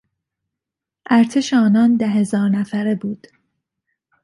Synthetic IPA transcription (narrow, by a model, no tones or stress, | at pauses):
ʔæɾt̪ʰeʃeɒːnɒːnd̪æɦe̞zɒːɾnæfæɾebuːd̪̥